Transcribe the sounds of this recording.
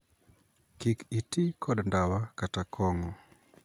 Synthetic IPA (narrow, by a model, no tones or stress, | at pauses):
kikitikʰɔdndawakatakʰɔŋɔ